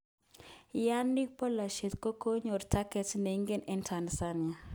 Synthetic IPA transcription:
ja˦nːi˦k̚pɔ˦la˨ʃe˨t̪ko˦ko˦ɲo˨ɾtʰa˦kɛ˨˦tne˨i˦ŋɡe˦nɛ˦ntʰa˨n˨sa˦nɪa˨

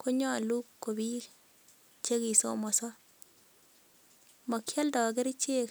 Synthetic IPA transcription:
kʰo˦ɲɔ˦˨lu˦kːo˨bi˦ | t͡ʃe˦ki˨so̰˦mɔ˨sɔ˦ | mɔ˨kja˦ldɔ˨ɡ̬e˦ɾt͡ʃe˦k

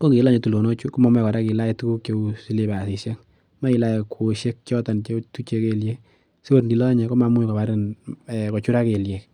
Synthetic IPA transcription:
ko˦ke˨˦la˦ɲe˨tu˨lo˨no˦t͡ʃu˦kɔ˦ma˨mɛ˦kɔ˨ɾa˦ki˨la˦ɛ˨tu˦ku˦kjo˧usi˦le˨ba˨si˨sja˦k | ma˦i˨la˦jekʰo˨ʃe˦k̚t͡ʃɔ˦ta˨nt͡ʃe˦tu˦t͡ʃe˧ke˦lje˦k̚ | si˦o˦ɾndi˨lɔ˦ɲɛ˨kɔ˦ma˨mu˦ɲ˨ka˨ba˦ɾɪ˦nɛ˨kɔ˨t͡ʃu˦ɾa˦ke˨lje˨k

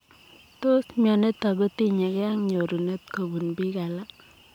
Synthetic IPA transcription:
to˦smjɔ˨ne˦t̪ːa˨ɡu˦t̪i˦ɲe˨kɛ˦a˦ŋɲo˨ɾu˨ne˦t̪̚ko˨bu˨nbi˦ka˨la˦

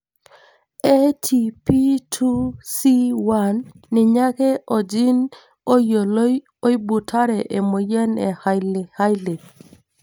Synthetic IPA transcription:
e˦tʰi˨pi˦tʰu˦si˦wa˦nː | ɪ˨ɲa˦ke˦ʔɔ˨d͡ʒi˦n | o˦jo˨lo˦ | o˦i˦bu˨tʰa˦ɾɛ˨ʔe˨mo˨jɛ˦nɛ̰˨ha˦jle˨ha˦jle˨

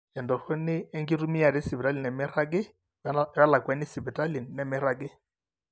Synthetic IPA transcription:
ɛ˨ndɔ˨fʊ˦nɪː˦ŋɡɪ˦ɾu˦mi˦a˨ɾɪ˦sɪ˨bɾa˦lɪ˨nɛ˨mɪ˦ɾa˦k̬ɪ˦ | a˦la˨kwɛ˦nɪ˦sɪ˨bɛ˨ta˦lɪ˨nɛ˨mɪ˦ɾa˦kɪ˦

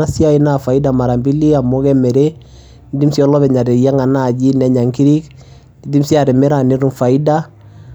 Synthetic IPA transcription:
a˦si˦a˦i˦na˨fa˨i˦da˨ma˨ɾa˨mbi˦li˦a˨mʊ˦kɛ˦mɛ˨ɾe˦ | n˦di˦msi˦ɔ˦lɔ˦βɛ˨ɲa˨ɾe˨ja˦ŋa˨na˦˨ɟi˦nɛ˨ɲa˨ŋki˦ɾi˦k | di˦di˦msi˦a˨ɾɛ˨mɛ˦ɾa˨ne˦ɾu˦nfa˨i˦da˦

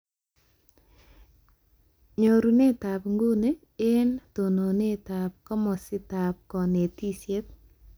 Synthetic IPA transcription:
ɲo˨ɾu˨ne˦˨ta˨pŋɡo˦ne˦ | e˦nto˨no˨ne˦ta˨p̚kɔ˦mɔ˨sɪ˦ta˨p̚kɔ˨ne˨ti˦sje˦t̚

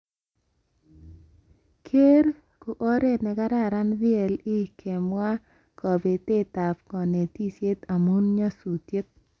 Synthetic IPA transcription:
kʰe˦ɾ | ku˨ʔo˦ɾe˦nɛ˨ka˦ɾa˦˨ɾa˦nðjɛ˨lɪ˦kʰe˨mwa˦ | kɔ˨be˨te˦t̪a˨pkɔ˨ne˨ti˦sje˦t̪a˨mu˦nɲa˦su˨tje˦t̪̚

